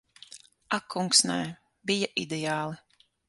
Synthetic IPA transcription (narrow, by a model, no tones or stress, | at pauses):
akʰːuŋksnɛː | bijaʔid̪ejaːlˠi